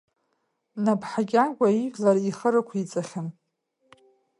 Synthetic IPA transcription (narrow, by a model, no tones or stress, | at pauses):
napʰħaɡʲaɡʷʼaiɡʲlaɾiχəɾakʷʰit͡sʼaχʲɪn